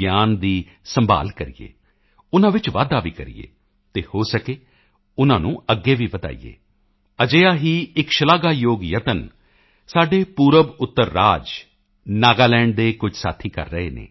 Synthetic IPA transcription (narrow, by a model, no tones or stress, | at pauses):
jaːnd̪iː | səmba̰ːlkəɾḭːḛː | ʊnãːʋɪt͡ʃʋa̰ːd̪aːʋḭːkəɾḭjḛː | t̪eːhoːsəkeː | ʊnãːnũːəɡːeːʋiːʋəd̪a̰ːḭjḛː | əd͡ʒeːaːɦiːɪkʃəlaːɡaːjoːɡjət̪ən | saːɖeːpuːɾəbʊt̪ːəɾːaːd͡ʒ | naːɡaːlɛ̃ːɳɖ̚d̪eːkʊd͡ʒʱsa̰ːt̪ʰiːkə̰ɾːəeːnḛː